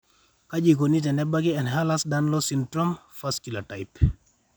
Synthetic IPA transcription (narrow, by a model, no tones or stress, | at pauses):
kad͡ʒikonit̬ɛnɛbaɡiɛnɦalasdanlɔsindɾom | faskilatajp